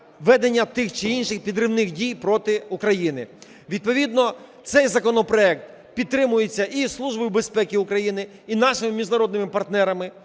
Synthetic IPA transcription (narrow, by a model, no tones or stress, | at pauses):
ʋɛd̪enʲːɐt̪ɪxt͡ʃɪinʃɪxpʲid̪ɾɪʋnɪxdʲijpɾɔt̪ɪukɾɐjinɪ̰ | ʋʲid̪̚pɔʋʲid̪nɔt̪sɛjzɐkɔnɔpɾɔɛk̚t̪ | pʲidt̪ːɾɪmʊjet͡sʲːɐʔislˠuʒbɔjʊbe̞spɛkʲiʊkɾɐjinɪ | inɑʃɪmɪmʲiʒnɐɾɔd̪nɪmɪpɐrt̪nɛɾɐmɪ